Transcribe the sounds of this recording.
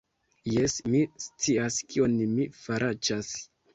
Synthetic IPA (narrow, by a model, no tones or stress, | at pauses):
jesmist͡siaskio̞nmifaɾad͡ʒas